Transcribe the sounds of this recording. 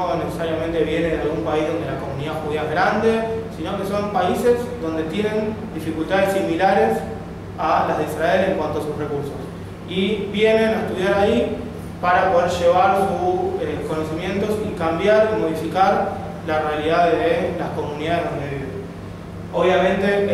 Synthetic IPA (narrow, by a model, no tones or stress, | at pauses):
onesesaɾjament̪e̞βje̞ne̞ðealɣumpaizðo̞nd̪elako̞mũniðaxuðiaezɣɾand̪e̞sinoke̞so̞mpaise̞zðo̞nd̪e̞t̪je̞nẽ̞nd̪ifikult̪aðesːimilaɾes | alazðeisɾae̞le̞ŋkwant̪o̞asusre̞kuɾso̞s | iβje̞ne̞naest̪uðjaɾai | paɾapo̞ð̞eɾʃe̞βaɾsuseko̞no̞simjẽ̞nt̪o̞sikambjaɾimo̞ð̞ifikaɾ | larealiðaðelasko̞mũniðaðeɦðond̪eβiβe | o̞βjamẽnt̪e̞